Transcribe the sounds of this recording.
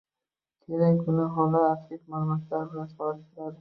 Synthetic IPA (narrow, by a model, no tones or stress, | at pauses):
kʲʰeɾaŋkʰʊnɪɦɒlˠɪaɾɪkmaɾmaslaɾɪbɪlansɒlɪɪɾad̪ɪ